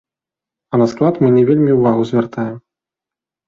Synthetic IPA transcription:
ɐnɐsklˠat̪mɨnʲɛvʲelʲmʲiwvaɣuzʲvʲɛrt̪ajɛm

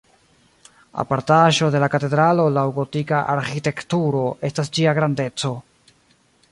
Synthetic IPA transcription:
a̰paɾtaʒo̞de̞lakate̞dɾalo̞lawɡo̞tikaʔa̰ɾxite̞ktuɾo̞e̞stas̬d͡ʒiaɡɾande̞t͡so̞

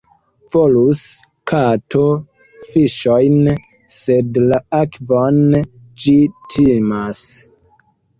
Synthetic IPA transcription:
v̥olus | kʰatʰo | fiʃojn | sedlaakvon | d͡ʒitʰimas

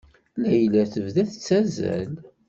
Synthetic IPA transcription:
læjlæθəvðæθət͡sːæzæ̰l

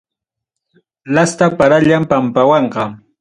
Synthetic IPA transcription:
last̪apaɾaʎampampawɑɴqɑ

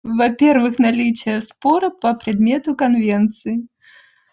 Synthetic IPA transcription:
vapʲɛrvɨxnalʲit͡ʃɐjɛspɔɾɐpɐpɾɨd̪mʲɛt̪ukanvʲɛnt̪sɨji

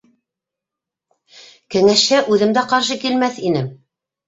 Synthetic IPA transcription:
kɘ̆ŋæʃhæʔʉðɘ̆md̪æqɑɾʃɤkilmæθinɘm

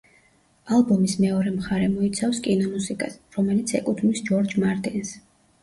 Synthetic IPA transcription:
alˠbɔmismɛɔɾɛmχaɾɛmɔit̪sʰafskʼinɔmusikʼasɾɔmɛlit̪sʰɛ̰kʼut̪ʰmisd͡ʒɔɾd͡ʒmaɾt̪ʼins

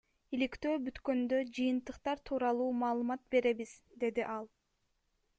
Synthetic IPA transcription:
ilikt̪ø̞ːbyt̪kø̞nd̪ø̞d͡ʒɯjɯnt̪ɯqt̪ɑɾt̪ʰuːɾɑlˠuːmɑːlˠɯmɑt̪̚be̞ɾe̞βiz̥d̪e̞d̪iʔɑlˠ

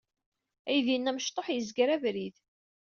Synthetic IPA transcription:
æjðinːæməʃt̪ˤːoħjəzɡɾævɾið

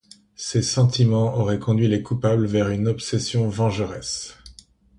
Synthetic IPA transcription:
sesɑ̃t̪ʰimɑ̃ɔʁɛkɔ̃d̪ɥilekupabləvɛʁynɔpsɛsjɔ̃vɑ̃ʒəʁɛs

